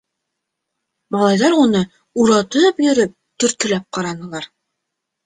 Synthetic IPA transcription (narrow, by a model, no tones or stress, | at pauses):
mɑlˠɑjðɑɾunɤ | uɾɑt̪ɤpjɵ̆ɾɵp̚t̪ɵ̆ɾt̪k̪ɘ̆læp̚qɑɾɑnɤ̆lˠɑɾ